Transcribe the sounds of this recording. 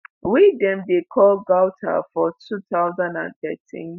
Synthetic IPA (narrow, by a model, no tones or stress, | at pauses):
widɛ̃mdekʰɔlɡaʊtʰa̰fɔtʰuθaʊzãndã̰nθɛ̰tʰḭ̃n